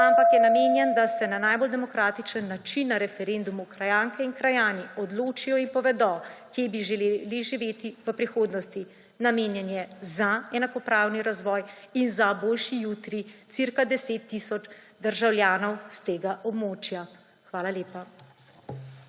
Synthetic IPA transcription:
ampakjɛnameːnjɛnd̪asɛnanaːjbɔld̪ɛmɔkɾaːt̪it͡ʃənːat͡ʃinːaɾɛfɛɾend̪umukɾajaːŋkɛinkɾajaːniɔd̪loːt͡ʃijɔimpɔʋɛd̪ɔkjeːbiʒɛleliʒiʋeːt̪iʋəpɾixoːd̪nɔst̪i | nameːnjɛnjɛzaɛnakɔpɾaːwniɾazʋɔːjinzaboːlʃijuːt̪ɾitsiɾkad̪ɛseːt̪ːisɔd͡ʒ | d̪əɾʒawljaːnɔwst̪eːɡaʔɔbmoːt͡ʃja | xʋaːlaleːpa

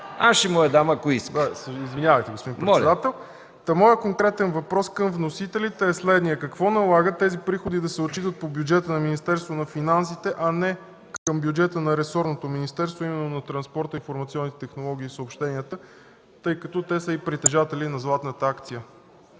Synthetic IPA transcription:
aʃimɔjəd̪aməkoiskd̪sizvinɲʲavɐjt̪ɛɡospod̪inpɾɛɔɛd̪at̪ɛlˠ | t̪ɐmɔjəkoŋkɾɛt̪ɛnvɐpɾɔskɤmvnosit̪ɛlit̪ɛːslɛd̪nijəkɐkvɔnɐlˠaɡət̪ːɛzipɾixod̪id̪ɐsɛot͡ʃit̪ət̪̚pobjud͡ʒɛt̪ənɐminist̪ɛɾst̪vonɐfinansit̪ɛʔɐnɛ | kɤmbjud͡ʒɛt̪ənɐɾɛsɔɾnot̪ominist̪ɛɾst̪voimɛnːonɐt̪ɾɐnspɔɾt̪əinfoɾmɐt̪siɔnːit̪ɛ̥t̪ɛxnolˠɔɡ̟iːsəopʃt̪ɛniət̪ə | t̪ɤjkɐt̪ɔt̪ɛsəipɾit̪ɛʒat̪ɛlinɐzlˠat̪nət̪əakt̪sijə

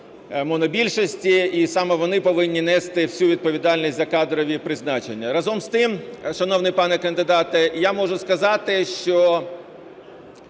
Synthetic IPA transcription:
mɔnɔbʲilʲʃɔsʲtʲiisɑmɛʋɔnɪpɔʋɪnʲːinɛst̪ɪwsʲuʋʲid̪̚pɔʋʲid̪ɑlʲnʲisʲzʲɐkɑd̪ɾɔʋʲipɾɪznɑt͡ʃenʲːɐɾɐzɔmst̪ɪmʃɐnɔwnɪjpɑnɛkɐnd̪ɪd̪ɑt̪ɛjamɔʐʊskɐzɑt̪ɪʃt͡ʃɔ

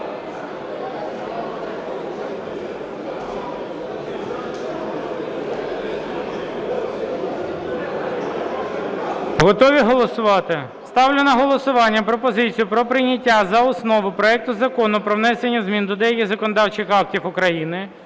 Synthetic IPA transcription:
ɦɔt̪ɔʋʲiɦɔlˠɔsʊʋɑt̪ɪ | st̪ɑwlʲʊnɐɦɔlˠɔsʊʋɑnʲːɐpɾɔpɔzɪt͡sʲijʊpɾɔpɾɪnʲɐtʲːazɐɔsnɔʋʊpɾɔɛk̚t̪ʊzɐkɔnʊpɾɔʋnɛsenʲːɐzmʲind̪ɔd̪ɛjɐkʲɪzɐkɔnɔd̪ɑwt͡ʃɪxɑk̚tʲifʊkɾɐjinɪ

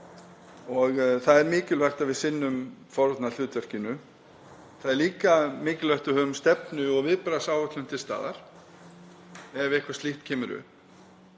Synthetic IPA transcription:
ɔɣθaðɛɾmɪːcɪlvɛr̥t̪avɪðsɪnːʏmfɔɾt̪nal̥ʏːt̪vœr̥cɪnʏ | θaðɛɾliːkamɪːcɪlvœht̪ʏɦœðmst̪ɛpnʏɔɣvɪðpɾasaːwʏt̪lʏmt̪ʰɪlst̪a̰ːða̰ɾ̥ | ɛvɪhkvast̪iht̪cʰɛːmʏɾʏ̰

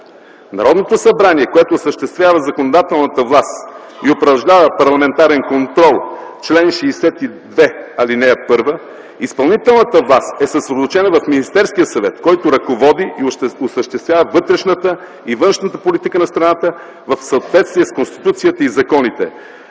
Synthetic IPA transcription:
nɐɾɔd̪not̪osɐbɾaniɛkoɛt̪oːsəʃt̪ɛst̪vjavəzɐkonod̪at̪ɛlˠnət̪əvlˠast̪iopɾɐʒlʲavəpɐɾlˠɐmɛnt̪aɾɛnkont̪ɾɔlˠt͡ʃlɛnʃɛːsɛt̪id̪vɛɐlinɛpɤɾvə | ispɐlˠnit̪ɛlˠnət̪əvlˠast̪ɛsəsɾɛd̪ot̪ot͡ʃɛnɐvɐfminist̪ɛɾskijəsɐvɛt̪kɔjt̪oɾɐkovɔd̪iʔiosəʃt̪ɛst̪vʲjavəvɤt̪ɾɛʃnət̪ə | ivɤnʃnət̪əpolit̪ikənɐst̪ɾɐnat̪ə | vɐfsɐot̪vɛt̪st̪viɛskonst̪i̥t̪ut̪siət̪əizɐkɔnit̪ɛ

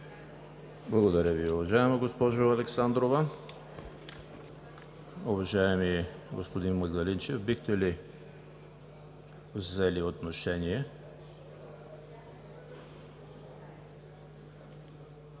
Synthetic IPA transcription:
blˠɐɡod̪ɐɾʲəviʊvɐʒaɛməɡospɔʒoɐlɛksand̪ɾovɐ | ʊvɐʒaɛmiɛɡospod̪inmɐɡd̪ɐlint͡ʃɛfbixt̪ɛli | vzɛliot̪noʃɛnʲiɛ

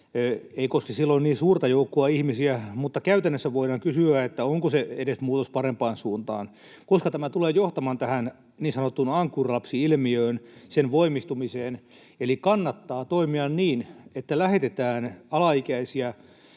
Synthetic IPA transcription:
eikoskisilːonniːnsuːrt̪ɑjoukːoɑihmisiæmut̪ːɑkæyt̪ænːøsːæʋoiɾɑŋkysyæet̪ːæoŋkoseeɾesmuːt̪ospɑrempɑːnsuːnt̪ɑ̰ːn | koskɑt̪æmæt̪uleːjoht̪ɑmɑnt̪æhæn | niːnsɑnot̪ːunɑŋkːurlɑpsiilmiøːnsenʋoimist̪umiseːn | elikɑnːɑt̪ːɑːt̪oimiɑnniːnet̪ːælæhet̪et̪æːnɑlɑikæisiæ

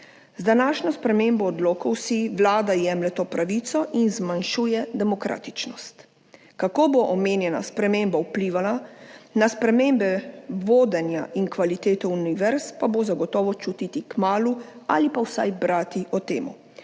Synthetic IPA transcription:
zd̪anaːʃnɔspɾɛmembɔːd̪loːkɔwsiʋlaːd̪ajɛmlɛt̪oːpɾaʋit̪sɔʔinzmanʃuːjɛd̪ɛmɔkɾa̰ːt̪i̥t͡ʃnɔst̪ | kakoːboʔɔmeːnjɛna̰spɾɛmembawpliːʋalanaspɾɛmeːmbɛʋoːd̪ɛnja̰iŋkʋalit̪eːt̪ɔuniʋɛɾspabozaɡɔt̪ɔːʋɔt͡ʃut̪it̪ikmaːlua̰lipawsa̰jbɾaːt̪iʔɔt̪ḛːmu

